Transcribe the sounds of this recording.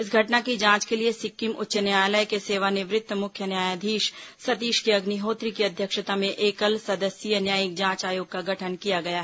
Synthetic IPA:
ɪs̬ɡʱɐʈnakid͡ʒãːt͡ʃkeliesɪkːimʊ̰tːʃənjaːjləjkeseːʋanɪʋɾɪt̪ːmʊkʰːjənjaːjad̪ʱiːʃsɐt̪iːʃkiɐɡniɦoːt̪ɾikiɐd̪ʱjəkʃət̪amẽʔeːkəlsɐd̪əsijənjaːjɪk̚d͡ʒãːt͡ʃaːjoːɡ̚kaɡʱɐʈʰənkijaɡɐjaːɦ

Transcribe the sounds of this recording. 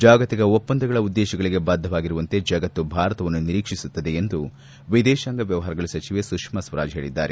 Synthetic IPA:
d͡ʒaːɡɐt̪iɡɐopːɐnd̪ɐɡɐɭɐud̪ːɛːʃɐɡɐɭiɡe̞baːd̪ʱːɐʋaːɡiɾuʋɐnt̪e̞d͡ʒɐɡɐt̪ːubʱaːɾɐt̪ɐʋɐnːuniɾiːkʂisut̪ːɐd̪e̞end̪u | ʋid̪ɛːʃaːŋɡɐʋjɐʋɐɦaːɾɐɡɐɭɐsɐt͡ʃiʋesukʂmɐsʋɐɾa̰ːd͡ʒɦe̞ːɭid̪ːa̰ːɾe

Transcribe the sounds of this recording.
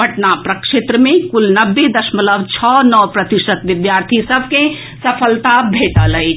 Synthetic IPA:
bɐʈnapɾɐkʃet̪ɾəmẽkʊlnɐbːed̪ɐʃmələʋt͡ʃʰɔːnɔːpɾɐt̪ɪʃət̪ʋɪd̪jaːɾt̪ʰisɐb̚ʱkẽ | sɐpʰəlt̪abʱeːʈalɐi

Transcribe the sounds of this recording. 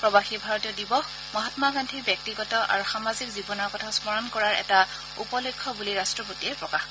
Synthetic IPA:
pɹɔbaxibʱaɹɔtiɔdibɔx | mɔɦatmaɡantʰibjɔk̚tiɡɔtɔʔa̰ɹuxamazikzibɔnɔɹkɔtʰaspɔɹɔnkɔɹaɹɛ̰ta | upɔlɔkʰːɔbuliɹastɹɔpotiɛpɹɔkax

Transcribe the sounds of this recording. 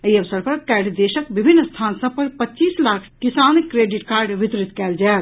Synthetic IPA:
əiəʋsəɾpɐɾkɛːɖd̪eːʃəkbibʱinːst̪ʰaːnsɐ̃pɐɾpətːt͡ʃiːslakʰkisaːnikːɾeːɖiʈkaːɾɖʋɪt̪ɾit̪kɛːld͡ʒaː

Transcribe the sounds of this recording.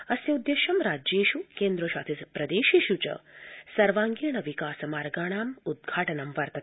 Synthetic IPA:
ɐsjɐud̪jeʃɐmɾaːd͡ʒeːʃukeːnd̪ɾoʃaːt̪ʰispɾɐd̪eːʃiʃut͡ʃɐ̰sɐɾʋaːŋɡiɳɐʋikaːsɐmaːɾɡaːɳ̃aːmud̪̚ɡʱaːʈɐnɐmʋɐɾt̪ɐt̪

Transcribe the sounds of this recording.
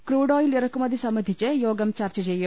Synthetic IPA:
kɾuːɽoːjiljɐɾɐkumɐd̪ʱisɐmɐd̪ʱit͡ʃejoːɡɐmt͡ʃɐɾt͡ʃɐd͡ʒejo

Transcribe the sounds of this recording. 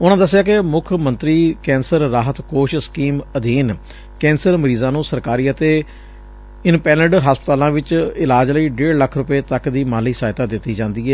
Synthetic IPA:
ʊnãːd̪əs̬ːjaːk̬ɪmʊkʰmənt̪ɾiːkɛ̃ːnsəɾɾaːɦət̪koːʃskiːməd̪iːn | kɛ̃ːnsəɾməɾiːzãːnũːsəɾkaːɾiːət̪eː | ɪnpɛːləɖɦaːspət̪aːlãːʋɪt͡ʃɪlaːd͡ʒləiːɖeːɾləkʰɾʊpeːt̪əkd̪iːmaːliːsaːɦɪt̪aːd̪ɪt̪ːiːd͡ʒãːnd̪iːɛː

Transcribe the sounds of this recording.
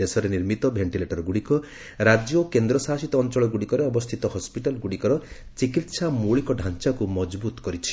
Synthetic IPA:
esɔɾeniɾmit̪ɔbʱeɳʈileʈɔɾɔɡuɽikɔ | ɾad͡ʒjokend̪ɾɔsasit̪ɔːnt͡ʃɔɭɔɡuɽikɔɾeɔbɔst̪ʰit̪ɔɦɔspiʈalɡuɽikɔɾɔ | t͡ʃikit̪samoɭikɔɖʱant͡ʃakumɔd͡ʒbut̪ɔ̥kɔɾit͡ʃʰi̥

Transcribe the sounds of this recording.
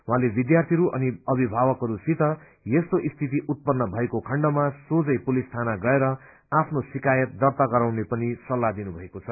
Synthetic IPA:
wɦãlebid̪jart̪ʰiɾuʔʌ̰niʌbʱibʱawʌkɦʌɾusit̪ʌ | jest̪oʔist̪ʰit̪̬iʔut̪̚pʌnːʌbʱʌekokʰʌɳɖʌmasod͡zʌjpulist̪ʰanaɡʌeɾʌ | apʰnosikajʌt̪̚d̪ʌrt̪aɡʌɾawnepʌnisʌlːad̪inubʱʌekot͡sʰʌ

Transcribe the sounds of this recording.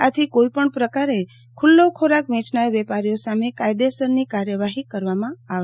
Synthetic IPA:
at̪ʰikoipəɳpɾəkaɾe | kʰʊlːokʰoɾakʋɛ̃t͡ʃnajʋɛpaɾjosamekajd̪esəɾnikaɾjəʋaɦikəɾʋamãaʋ

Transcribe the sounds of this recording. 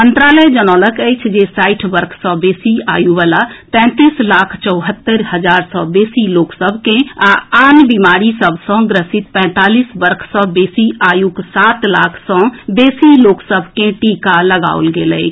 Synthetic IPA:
mənt̪ɾaləjd͡ʒənɔːləkəjt͡ʃʰd͡ʒesaiʈʰbəɾkʰsɔ̃besia̰juʋalat̪ɛ̃t̪islakʰt͡ʃəʊɦət̪ːəɾɦəd͡ʒaɾsɔ̃besiloksəbʱkẽaanbimaɾisəbʱsɔ̃ɡɾəsit̪̚pɛ̃t̪alisbəɾkʰsɔ̃besiʔajuksat̪lakʰsɔ̃besiloksəbʱkẽʈikaləɡa̰o̰lɡelə̰

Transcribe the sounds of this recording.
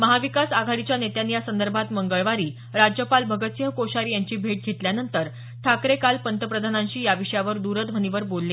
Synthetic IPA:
məɦaʋikasaɡʱaɽit͡ɕjanet̪janːijasənd̪əɾbʱat̪məŋɡəɭʋaɾiː | ɾad͡ʑjəpalbʱəɡət̪səɦkoɕaɾijaɲt͡ɕiːbʱeʈ̚ɡʱet̪ljanənt̪əɾ | ʈʰakɾekalpənt̪əpɾəd̪ʱanãɲɕiːjaʋiʂəjaʋəɾd̪uɾət̪b̤ʱəniʋəɾbolːe

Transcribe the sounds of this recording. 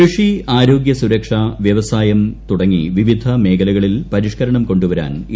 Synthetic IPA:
ɨʂiaːɾo̞ːɡjɐsuɾɐkʂaʋjɐʋɐsaːjɐmt̪uɽɐŋːiʋiʋid̪ʱɐme̞ːkɐlɐɣɐɭilpɐɾiʂkɐɾɐɳɐmko̞ɳɖuʋɐɾa̰ːn

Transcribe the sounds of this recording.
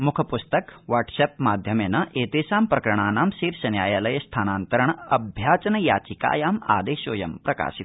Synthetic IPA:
mukʰɐpust̪ɐkʋaːɾʈseːpmaːd̪ʱjɐmeːnɐʔeːt̪eːsaːmpɾɐkɐɾɐɳaːnaːmsiːɾsɐnjaːjalɐjɐst̪ʰaːnaːnt̪ɐɾɐɳ̃ɐbʱjaːt͡ʃɐnɐjaːt͡ʃika̰ːjaːma̰ːd̪eːʃoːjɐmpɾɐka̰ːʃit̪

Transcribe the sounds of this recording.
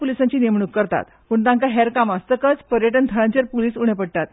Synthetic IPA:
pulisaɲt͡ɕiːnemɳukːəɾt̪a̰t̪puɳt̪ãŋkaɦɛɾkamast̪əkət͡spəɾjəʈənt̪ʰəɾaɲt͡ɕeɾpuliːsuɽ̃epəɽʈ̪at̪

